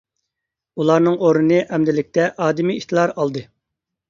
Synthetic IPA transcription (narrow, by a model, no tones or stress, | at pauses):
ulˠɑɾnɨŋoɾnɨnɨʔɛmd̪ɪlɪk̚ʲt̪ʰɛʔɑːd̪ɪmiit̪ʰlˠɑɾɑlˠd̪ɨ